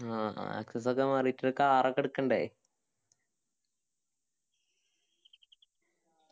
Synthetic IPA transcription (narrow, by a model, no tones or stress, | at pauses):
a̰ɐ̰kses̬okːemɐrijitːiɾokːeaːrokːeɽukːɐɳɖe